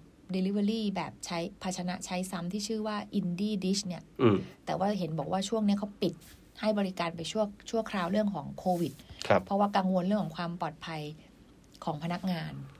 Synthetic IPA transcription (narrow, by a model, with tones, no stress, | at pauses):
di˧li˦˥wa˧ɾiː˥˩bɛː˨˩p̚t͡ɕʰa˦˥jpʰa˧t̪̚t͡ɕʰa˧na̰˦˥ʔt͡ɕʰa˦˥jsa˦˥mt̪ʰiː˥˩t͡ɕʰɯː˥˩waː˥˩ʔi˧ndiː˥˩di˦˥ɕni˥˩ɐ˧˨t̪ɛː˨˩waː˥˩ɦe˩˦nbɔː˨˩k̚waː˥˩t͡ɕʰu˥˩əŋni˦˥ɐkʰa˦˥wpi˨˩t̪̚ | ha˥˩jbɔː˧ɾi˦˥kaː˧npa˧jt͡ɕʰu˥˩ət͡ɕʰu˥˩əkʰɾaː˧wɾɯ˥˩əŋkʰɔː˩˦ŋkʰoː˧wi˨˩t̪̚kʰpʰːɔ˦˥waː˥˩ka˧ŋwo˧nɾɯ˥˩əŋkʰɔ˩˦ŋkʰwaː˧mpɔː˨˩t̪̚pʰa˧j | kʰɔː˩˦ŋpʰa˧na˦˥k̚ŋaː˧n